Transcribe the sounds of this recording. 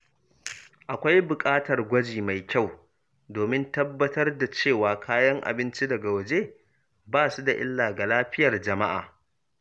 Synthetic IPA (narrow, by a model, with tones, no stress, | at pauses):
ʔa˨kʷa˦jbʊ˨kʼaː˦tɐ˨rɡʷɐ˦d͡ʒiː˨ma˨jkʲa˦˨w | doː˨mɪ˦ntɐ˦bːɐ˦tɐ˦rda˨t͡ʃeː˦˨waː˨kʰaː˦jɐ˦ŋʔa̰˨bɪ˦nt͡ʃi˦dɐ˨ɡa˨wɐ˨d͡ʒe˦ | baː˦˨su˦da˨ʔɪ̰˦lːaː˨ɡa˨laː˦ɸɪ˦jɐ˨rd͡ʒɐ˨ma˦ʔa̰ː˨